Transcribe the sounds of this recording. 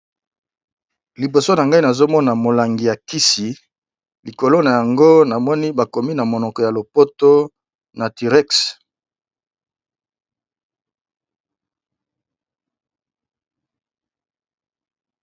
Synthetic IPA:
li˨bo˨so˦na˨ŋɡa˦i˦na˨zo˦mɔ˦na˨mo˨la˨ŋɡi˨ja˨ki˦si˨ | li˨ko˨lo˦na˨ja˨ŋɡo˦na˨mɔ˦ni˦ba˨ko˨mi˦na˨mo˨nɔ˨kɔ˨ja˨lo˨po˦to˦ | na˨ti˨ʁɛ˦ks

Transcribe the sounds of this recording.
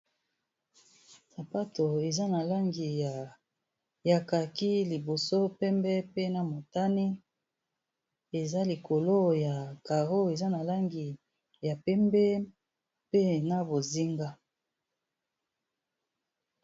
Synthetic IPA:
sa˨pa˦to˨e˨za˦na˨la˦ŋɡi˨ja˨ | ja˨ka˨ki˦li˨bo˨so˦pɛ˦mbɛ˦pe˦na˨mo˨ta˦ni˦ | e˨za˦li˨ko˨lo˦ja˨ka˨ʁo˦e˨za˦na˨la˦ŋɡi˨ | ja˨pɛ˦mbɛ˦ | pe˦na˦˨bo˨zi˦ŋɡa˦

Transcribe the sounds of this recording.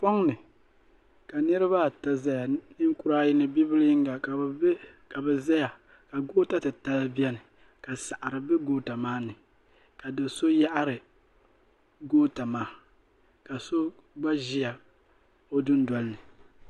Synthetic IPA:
pɔ˦ŋnɨ˨ | ka˨nɨ˦ɾɨ˦βa˦˨ta˦za˦ja˨nɨ˦ŋ˦ku˦ɾa˦ji˦nɨ˦bi˦bɨ˦lŋɡa˨ka˨˦ka˨bɛ˨za˦ja˨ | ka˨ɡoː˦ta˦tɨ˨ta˦la˦bi˦ɛ˦nɨ˨ | ka˨sa˨ʔa˨ɾɨ˨bɛ˦ɡoː˦ta˨maː˦nɨ˨ | ka˨dɨ˨so˦ja˦ʔa˦ɾɨ˨ | ɡoː˦ta˨maː˦ | ka˨so˦ | ɡ͡ba˦ʒi˦ja˨ | o˦dɨ˦n˦dɔ˨lnɨ˨

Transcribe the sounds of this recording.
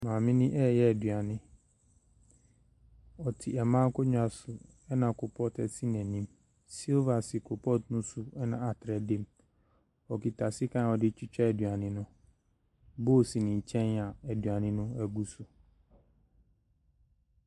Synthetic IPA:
mãː˨mɪ̃˦nɪ̃˦ʔɛ˦˨jɛ˦ɛ˨dɥa˨nɪ̃˦ | ɔ˨tʰɪ˨ɛ˨mãː˦kʰɔ˦ɲᶣ˦a˨sʊ˨ | ɛ˦nã˨kʰʊ˨pʰɔ˦tɛ˨si˦nɛ̃˨nĩ˦m | si˦lva˨si˨kʰʊ˨pʰɔ˦tnʊ̃˦sʊ˨ɛ˦nã̰˨a˨tʰɾɛ˨de˦m | ɔ˨ki˨tʰa˨sɪ˦kʰã˦˨ɔ˨dɪ˦t͡ɕʰi˦t͡ɕᶣɛ˦˨dɥa˨nɪ̃˦nʊ̃˦ | bo˦˨si˨nĩ˨t͡ɕʰɛ̃˦na˨ɛ˨dɥa˨nɪ̃˦nʊ̃˦æ˨ɡu˦sʊ˨

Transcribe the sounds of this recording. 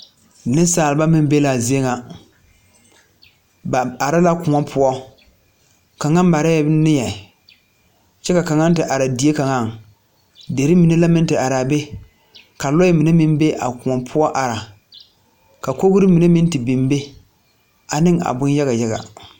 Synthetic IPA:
nɪ˦saː˨lba˦mɪ˦m˦be˦la˨zi˦e˦ŋa˨ | ba˨a˨ɾa˦la˦kʊ˨ŋɔ˦pʰʊ˦ɔ˦ | ka˨ŋa˦m˦ba˨ɾa˦ɛ˦nɪ˦jɛ˨ | t͡ʃɛ˦ka˨ka˨ŋa˦n˦tɨ˨ʔa˨ɾa˨di˨˦e˦ka˨ŋa˦˨ŋ | de˨ɾi˦mi˨ne˦la˦mɪ˦ntɨ˨ʔa˨ɾa˨be˦ | ka˨lɔ˦ɪ˦mi˨ne˦mɪ˦m˦be˦ʔa̰˨kʊ˨ɔ˨pʰʊ˦ɔ˦ʔa˨ɾa˨ | ka˨ko˦ɣʊ˦ɾɨ˦mi˨ne˦mɪ˦n˦tɨ˨bi˨m˦be˦ | a˨nɪ˦ŋa̰˨bʊ˦nja˦ɣa˨ja˦ɣa̰˨

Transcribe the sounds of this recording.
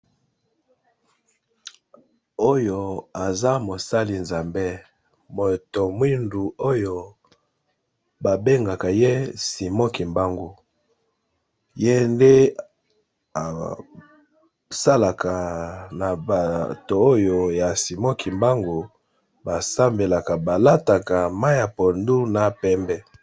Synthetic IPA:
o˦jo˨a˨za˦mo˨sa˦li˨nza˨mbe˦ | mo˨to˨mwi˦ndu˨o˦jo˨ | ba˨be˦ŋɡa˨ka˨je˦si˨mɔ˦ki˨mba˦ŋɡu˨ | je˦nde˦ | a̰˨ | sa˦la˨ka˨na˨ba˨to˨o˦jo˨ja˨si˨mɔ˦ki˨mba˦ŋɡu˨ | ba˨sa˦mbe˨la˨ka˨ba˨la˦ta˨ka˨ma˦ja˨po˨ndu˦na˨pɛ˦mbɛ˦

